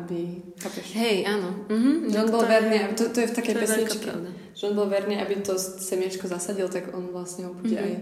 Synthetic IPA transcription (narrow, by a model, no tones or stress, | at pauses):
abixaːpɛʃɦɛjʔaːnɔɦ̩ʒɛɔnbɔlʋɛɾniːabt̪ɔt̪ɔjɛft̪akɛjpɛsɲit͡ʃkḭd̪a | ʒɛɔnbɔlʋɛɾniːʔabit̪ɔssɛmɪat͡ʃkɔzasaɟilt̪aɡɔnʋlasɲɛɦɔbuɟɛʔaj